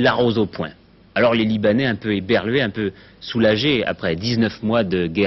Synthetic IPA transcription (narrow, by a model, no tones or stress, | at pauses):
laʁozopwɛ̰̃ | alɔʁlelibanɛɛ̃pøebɛʁlɥeɛ̃pø | sulaʒea̰pχɛd̪iznœfmwad̪əɡɛ